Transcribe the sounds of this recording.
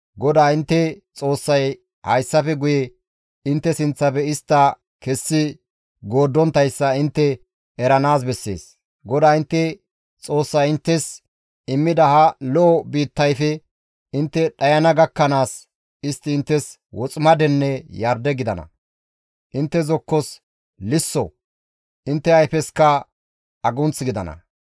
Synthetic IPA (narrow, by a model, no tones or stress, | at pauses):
ɡɔd̪aːɪnt̪ːɛt͡sʼo̞ːsːɐj | hɐjsːɐfɛɡʊjɛ | ɪnt̪ːɛsɪnt͡sːɐpɛɪst̪ːɐ | kɛsːɪ | ɡo̞ːd̪ːɔnt̪ɐjsːɐɪnt̪ːɛ | ɛɾɐnaːs̬bɛsːe̞̰ːs | ɡɔd̪aːɪnt̪ːɛ | t͡sʼo̞ːsːɐjɪnt̪ːɛs | ɪmːɪd̪ɐhɐlɔʔɔbiːt̪ːɐjfɛ | ɪnt̪ːɛɗɐjɐnɐɡɐkːɐnaːs | ɪst̪ːɪːnt̪ːɛs | wɔt͡sʼmɐd̪ɛnːɛjɐɾd̪ɛɡɪd̪ɐnɐ̰ | ʔɪnt̪ːɛzɔkːɔs | lɪsːɔ | ʔɪnt̪ːɛɐjfɛskɐ | ɐɡʊnt͡sɡɪd̪ɐnɐ̰